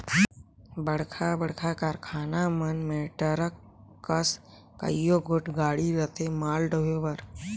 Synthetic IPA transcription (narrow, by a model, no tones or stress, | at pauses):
bəɽ̤kʰabəɽkʰakaɾkʰaːnamənmeːʈəɾəkː | əs | kə̰joɡoʈɡaːɽiɾət̪ʰemaːlɖəɦobəɾ